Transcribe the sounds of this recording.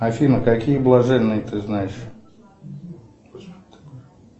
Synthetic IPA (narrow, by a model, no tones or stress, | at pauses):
ɐfʲinəkakʲijəblˠɐʐɛnːɨjət̪ɨznajɪʂ